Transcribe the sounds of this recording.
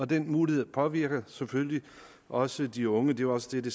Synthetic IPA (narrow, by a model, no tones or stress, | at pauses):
ɒ̽d̥enmuːlihe̝ðˠɐpʰɒ̽ʋiɐ̰ɡ̥əsefølli | ʔɒ̽səd̥iɔ̽ŋəd̥e̝ʋɑɒ̽səd̥ed̥e